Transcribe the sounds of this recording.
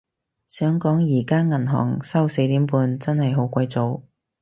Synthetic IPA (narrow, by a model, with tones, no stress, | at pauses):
sœː˨˥ŋkɔː˨˥ŋjiː˨˩kaː˥ŋɐ˨˩nɦɔ̰ː˨˩ŋsɐ˥wse˧jt̪iː˨˥mpuː˧nt͡sɐ˥nhɐ˨jɦo˨˥wkʷɐ˧jt͡so˨˧w